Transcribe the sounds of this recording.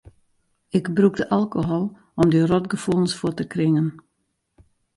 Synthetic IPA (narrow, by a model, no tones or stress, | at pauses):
ɪɡbrukdəʔalˠkoɦɔlˠ | ɔmdirɔtɡəfulˠənsfʊtəkrɪŋən